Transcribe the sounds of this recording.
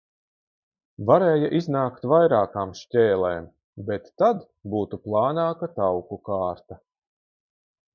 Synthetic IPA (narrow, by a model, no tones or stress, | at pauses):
vaɾeːjaʔiznaːkt̪vajɾaːkaːmʃtʲɛːlˠɛːm | bet̪ːad̪ | buːt̪uplˠɑːnaːkat̪awkukaːɾt̪a